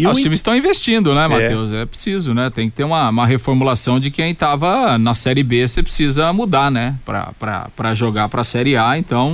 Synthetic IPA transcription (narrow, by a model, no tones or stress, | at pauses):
ɛʊst͡ʃĩmɪsst̪ɐ̃w̃ĩvest͡ʃĩnd̪ʊnɛmat̪ewsɛpɾe̥sizʊnɛt̪ẽj̃kɪ̥t̪eɾũmɐũmɐɦefoɾmulasɐ̃w̃d͡ʒɪkẽj̃t̪avɐnɐsɛɾɪbesepɾɪsizɐmud̪aɾnɛpɾɐ̰pɾɐ̰pɾɐʒoɡaɾpɾɐsɛɾɪaẽnt̪ɐ̃w̃